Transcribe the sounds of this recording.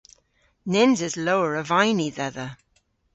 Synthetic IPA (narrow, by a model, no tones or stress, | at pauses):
nɪnzɪzlowəɹəvajniðɛðə